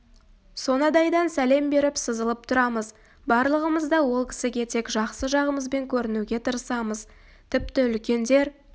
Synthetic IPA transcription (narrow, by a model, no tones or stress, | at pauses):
so̞nɑd̪ɑjd̪ɑnsæle̞mbe̞ɾɪpsəzəlˠəp̚t̪ʰʊɾɑməz | bɑɾlˠəʁəməzd̪ɑwo̞lˠkʲʰɪ̥sɪɡʲe̞t̪ʰe̞kʒɑqsəʒɑʁəməzbe̞ŋkʲʰɵɾɪnuɡʲe̞t̪ʰəɾəsɑməz | t̪ʰɪp̚t̪ɪʏlkʲe̞nd̪e̞ɾ